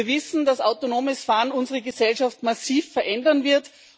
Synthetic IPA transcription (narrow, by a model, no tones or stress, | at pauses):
vɪsn̩d̥asa̰ʊtonoːməsfaːnʊnzəʁəɡəsɛlʃaftmasiːfːɛɐʔɛndɐnvɪɐt